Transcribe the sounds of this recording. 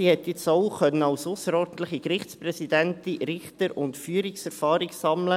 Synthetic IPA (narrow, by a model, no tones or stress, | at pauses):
sihɛt̪jɪt͡soʊχœnːənɑwsʊsəɾɔːɾdən̩t̪ləχikɾɪχtsprɛsidɛntiɾɪχtəɾʊntfyːəɾiksɛɾfɑːɾɪɡsɑmlə